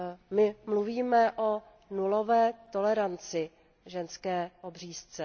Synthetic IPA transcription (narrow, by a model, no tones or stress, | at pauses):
mɪmluviːmɛʔo | nulovɛːt̪o̞lɛɾant͡sɪ | ʒɛnskɛːʔobr̝iːst͡sɛ